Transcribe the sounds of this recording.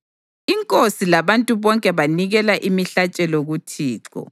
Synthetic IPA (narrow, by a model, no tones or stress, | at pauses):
iŋkʼosilaβantʼuβɔŋkʼɛβaniɣɛlaʔimiɬat͡ʃʼɛloɣutʰiːǁɔ̰